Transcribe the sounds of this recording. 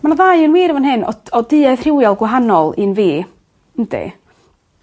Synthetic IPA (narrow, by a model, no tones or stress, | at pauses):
manaðaɨənwiːɾəvɔnhɪnɔ̰̥ɔdɨːaɨθr̥ɪwjɔlˠɡwaɦanɔlˠɨnviː | n̩dḭ